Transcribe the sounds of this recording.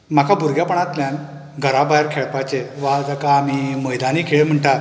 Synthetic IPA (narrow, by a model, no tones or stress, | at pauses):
m̤akabuɾɡjapəɳat̪ljãn | ɡʱəɾabajəɾkʰeɭpat͡ɕeʋad͡zakaːmiməjd̪aniːkʰeɭem̤əɳʈaɾ